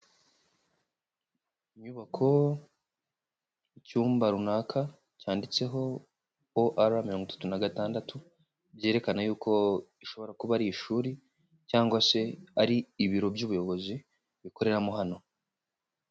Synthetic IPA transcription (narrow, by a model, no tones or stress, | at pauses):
iɲuβakʰo̞ | icuːmbaɾunaːkʰa | caːndit͡se̞ɦo̞ | oʔaɾamiɾoŋɡitḁtunaɡataːndatʰu | bje̞ːɾe̞kanajuːkʰo̞iʃo̞βo̞ɾakuβaɾiːʃuːɾi | caːŋɡwase̞aɾiːβiɾo̞bjuːβujo̞βo̞zi | βiko̞ɾe̞ɾamoɦano̞